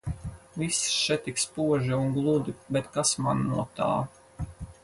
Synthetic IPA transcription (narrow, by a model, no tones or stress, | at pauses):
visʃɛt̪ikspuɔʒiuŋɡlˠud̪ibɛt̪kasmanːuɔt̪a̰ː